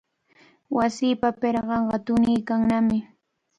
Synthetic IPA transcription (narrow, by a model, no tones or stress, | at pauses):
wasiːpapeɾɢɑɴɢɑt̪ʊnɪjkaŋnamɪ